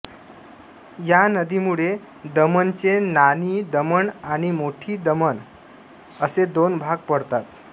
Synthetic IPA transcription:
janəd̪imuɽe | d̪əmənt͡senaniːd̪əməɳaɽ̃imoʈʰiːd̪əmən | əsed̪onbʱaɡ̚pəɽt̪at̪

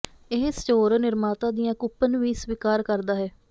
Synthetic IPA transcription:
ɪɦsə̥t͡ʃoːɾnɪɾmaːt̪ãːd̪ijãːkʊpːənʋiːsʋiːkaːɾkəɾd̪aːɦɛː

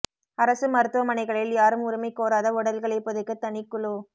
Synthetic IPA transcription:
ɐɾɐsɯmɐɾɯt̪ːɯʋɐmɐnɐɪɣɐɭɪljaːɾɯmʊɾɪmɐɪkːoːɾaːðɐɔɽɐlɣɐɭɐɪpːɔðɯkːɐt̪ːɐnɪkːʊɭoː

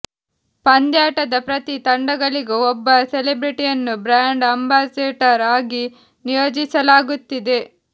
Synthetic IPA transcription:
pɐnd̪jaːʈɐd̪ɐpɾɐt̪it̪ɐɳɖɐɡɐɭiɡuɔbːɐselebɾiʈijɐnːubɾaːɳɖɐmbaːseːʈɐɾaːɡi | nijoːd͡ʒisɐlaːɡut̪ːid̪e̞

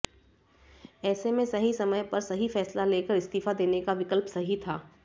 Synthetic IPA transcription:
ɛːsemẽsɐɦisɐməjpɐɾsɐɦifɛːslaleːkəɾɪst̪iːfad̪eːnekaʋɪkəlpsɐɦit̪ʰaː

